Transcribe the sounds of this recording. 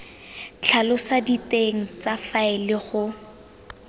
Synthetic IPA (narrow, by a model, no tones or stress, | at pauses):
t͡ɬʰalʊsaditeŋ̩t͡safaɪlɪχʊ